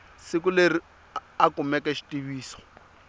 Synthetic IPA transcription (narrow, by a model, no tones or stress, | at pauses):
sɪkʊleri | akʊmɛkʼɛʃi̥tʼibiːsɔ̥